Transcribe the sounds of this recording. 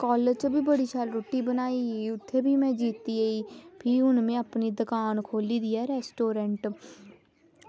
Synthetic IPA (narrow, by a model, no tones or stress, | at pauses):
kɔːləd͡ʒt͡ʃbʱiːbəɽiːʃʰaːlɾoːʈiːbənaːiːʊt̪ʰːeːbʱiːmɛ̃ːd͡ʒiːt̪iːəiːpʰiːʊnmɛ̃ːəpniːd̪əkaːnkʰoːliːd̪iːɛːɾɛːsʈoːɾɛɳʈ